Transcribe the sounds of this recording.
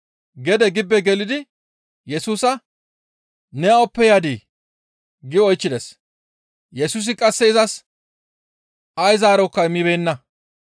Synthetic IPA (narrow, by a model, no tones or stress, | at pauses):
ɡɛd̪ɛɡɪbːɛɡɛlɪd̪ɪ | jɛsuːsɐ | nɛaɔpːɛjaːd̪i | ɡɪɔjt͡ʃːɪd̪ɛs | jɛsuːs̬ɪkʼɐsːɛɪzɐs | ɐjzaːɾɔkːɐjmibe̞ːnːɐ